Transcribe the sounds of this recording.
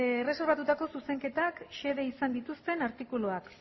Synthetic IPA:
ere̞so̞ɾβat̪ut̪ako̞suse̞ŋke̞t̪akʃe̞ðe̞isand̪it̪ust̪e̞naɾt̪ikuloak

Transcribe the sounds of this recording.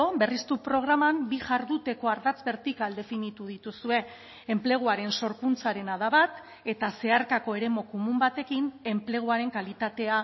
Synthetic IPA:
obe̞rist̪upɾo̞ɣ̞ɾamambiʝaɾðut̪e̞ko̞aɾðat͡sbe̞ɾt̪ikald̪e̞finit̪uð̞it̪usue̞ː | mple̞ɣ̞uaɾe̞nso̞ɾkunt͡saɾe̞naðaβat̪ | e̞t̪ase̞aɾkako̞e̞ɾe̞mo̞komumbat̪e̞kine̞mple̞ɣ̞uaɾe̞ŋkalit̪at̪e̞a

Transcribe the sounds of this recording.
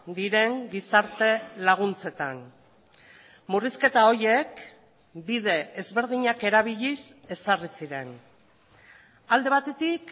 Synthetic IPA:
d̪iɾe̞ŋɡisaɾt̪e̞laɣ̞unt͡se̞t̪an | muriske̞t̪ao̞ɾje̞k | bið̞e̞ːzβe̞ɾð̞iɲake̞ɾaβ̞iʎise̞sarisiɾe̞n | ald̪e̞β̞at̪e̞t̪ik

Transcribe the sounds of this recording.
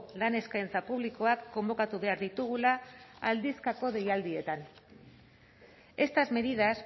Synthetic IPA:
lane̞skajnt͡sapuβ̞liko̞akːo̞mbo̞kat̪uβe̞aɾðit̪uɣ̞ulaːld̪iskako̞ð̞e̞jald̪ie̞t̪an | e̞st̪azme̞ðiðas

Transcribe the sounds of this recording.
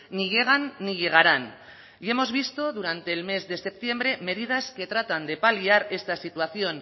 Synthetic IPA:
iʝe̞ɣ̞anːiʝe̞ɣ̞aɾan | ie̞mo̞zβist̪o̞ðuɾant̪e̞ːlme̞zðe̞se̞p̚t̪je̞mbɾe̞me̞ðiðaske̞t̪ɾat̪and̪e̞paliaɾe̞st̪asit̪uaθjo̞n

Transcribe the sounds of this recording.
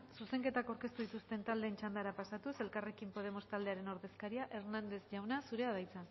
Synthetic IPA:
suse̞ŋke̞t̪akawɾke̞st̪uðit̪ust̪e̞nt̪ald̪e̞ːnt͡ʃand̪aɾapasat̪use̞lkare̞kimpo̞ð̞e̞mo̞st̪ald̪e̞aɾe̞no̞ɾðe̞skaɾiaʔe̞ɾnand̪ezʝawnasuɾe̞aðajt͡sa

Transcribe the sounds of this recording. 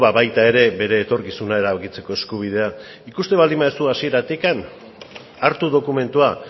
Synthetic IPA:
βaβajt̪ae̞ɾe̞be̞ɾe̞ːt̪o̞ɾkisunae̞ɾaβakit͡se̞ko̞e̞skuβ̞ið̞e̞a | ikust̪e̞βald̪imaest̪uasie̞ɾat̪ikan | aɾt̪uðo̞kume̞nt̪ua

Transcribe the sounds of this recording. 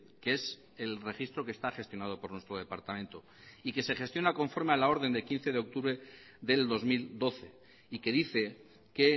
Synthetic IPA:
kees | e̞lre̞χist̪ɾo̞kest̪aχe̞st̪jo̞nað̞o̞po̞ɾnwe̞st̪ɾo̞ðe̞paɾt̪amẽnt̪o̞ | ike̞se̞χe̞st̪jonako̞ɱfo̞ɾmealao̞ɾð̞e̞nd̪elkĩn̟θe̞ðeo̞k̚t̪uβɾe | ðe̞ld̪o̞zmild̪o̞θe̞ | ike̞ðiθe̞ | ke

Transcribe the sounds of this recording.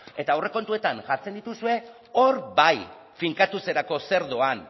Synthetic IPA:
e̞t̪aːwre̞ko̞nt̪ue̞t̪aŋʝaɾt͡se̞nd̪it̪usue̞ | o̞ɾbaj | fiŋkat̪use̞ɾako̞se̞ɾðo̞an

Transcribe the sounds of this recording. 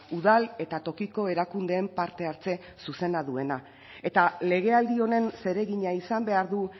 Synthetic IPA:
uð̞ale̞t̪at̪o̞kiko̞e̞ɾakund̪e̞ːmpaɾt̪e̞aɾt͡se̞ | suse̞naðue̞na | e̞t̪ale̞ɣe̞ald̪io̞ne̞nse̞ɾe̞ɣiɲaisambe̞aɾðu

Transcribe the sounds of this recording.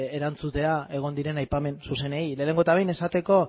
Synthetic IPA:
eɾant͡sut̪e̞ae̞ɣ̞o̞nd̪iɾe̞najpame̞nsuse̞ne̞ile̞ːneŋɡo̞t̪aβejne̞sat̪e̞ko̞

